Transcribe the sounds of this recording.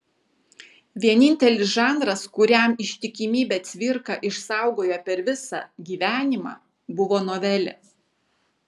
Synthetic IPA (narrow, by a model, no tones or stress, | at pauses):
ʋʲiɛnʲɪnʲt̪ʲɛlʲɪsʒɑːˑnd̪ɾɐskʊɾʲɛˑmɪʃʲt̪ʲɪkʲɪmʲiːbʲɛːt̪ʲʋʲɪɾkɑʔɪʃsɑˑʊɡoːjɛpʲɛɾʋʲɪsɑ̰ɡʲiːʋʲæːnʲɪmɑ̰ː | bʊʋoːnoːʋʲɛlʲɛ̰s